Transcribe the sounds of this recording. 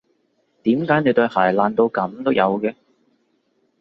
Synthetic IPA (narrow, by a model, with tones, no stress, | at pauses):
t̪iː˨˥mkaː˨˥jne˨˧jt̪ɵ˧ɥhaː˨˩jlaː˨nt̪o˧wkɐ˨˥mt̪o˥wjɐ˨˧wkɛː˧